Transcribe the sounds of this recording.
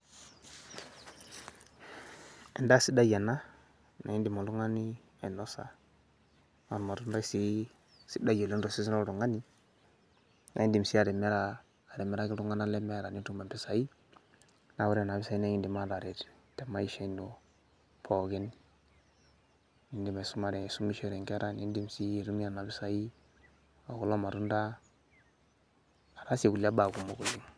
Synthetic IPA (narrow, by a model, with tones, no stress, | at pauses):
ḛ˨nda˦˨si˦da˦ja˨na˦ | na̰˨i˦ndi˨ma˨lu˦ŋa˦ni˦ | a˨i˨no˦sa̰˨ | ma˨ɾma˨ɾu˦nɾa˦i˦si˦ | si˦da˦jo˨li˦n˦ɾo˨si˦i˦no˦˨ɾu˨ŋa˦ni˦ | nʔa̰˨˦i˦ndi˨msi˦a˨ɾe˨me˦ɾaː˦˨ | ɾe˨me˨ɾa˦ɡi˦ɾu˦ŋa˦na˦le˦me˦˨ɾa˨ni˦tu˦ma˨pi˦sa˨i˦ | na˦wu˦ɾi˦a˨na˨bi˦sa˨˦i˦ne˦i˦ndi˨ma˦˨ɾa˨ɾe˨t | te˨ma˦i˨ʃe˦i˦ndo˨ | pʰo˨ɡe˦n | i˦ndi˨ma˨su˦ma˨ɾe˨su˦mi˦ʃe˦˨ɾe˨ŋke˦ɾa˦˨ni˦ndi˨msi˦˨ɾu˦mi˦a˨na˨bi˦sa˨i˦ | o˨ɡo˦lo˦ma˨ɾu˦nda˦˨ | ɾa˦se˨ku˨la˦ba˨ɡu˨mːo˨ɡo˨li˦ŋ